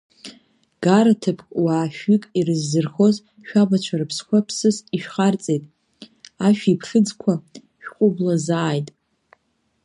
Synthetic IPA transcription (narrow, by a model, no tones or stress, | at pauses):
ɡ̥aɾatʰɨpʰkʼwaːʃᶣɥikʼirɨzːɨrχo̞z | ʃᶣabat͡ʃʷʰaɾɨpʰskʷʰapʰsɨsiʃᶣχart͡sʼejtʼ | aʃᶣipʰɬɨd͡zkʷʰa | ʃᶣqʷʼʊblazaːjtʼ